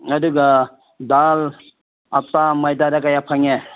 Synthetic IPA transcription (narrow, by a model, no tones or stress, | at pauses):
ʌduɡʌ | dal | ap̚tamajdaɾakajapʰaŋe